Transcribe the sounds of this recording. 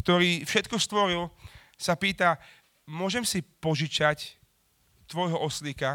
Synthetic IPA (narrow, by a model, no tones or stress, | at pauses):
kt̪ɔɾiːfʃɛt̪kɔst̪ʋɔɾil | sapiːt̪a | mʊɔʒɛmsipɔʒit͡ʃac | t̪ʋɔjɦɔʔɔslika